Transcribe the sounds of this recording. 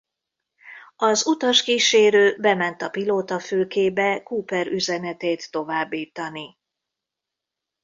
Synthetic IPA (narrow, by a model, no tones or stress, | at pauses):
ɒzut̪ɒʃkiːʃeːɾøːbɛmɛnt̪ɒpiloːt̪ɒføːkeːbɛkuːpɛɾʔyzɛnɛt̪eːt̪ːo̞vaːbːiːt̪ɒni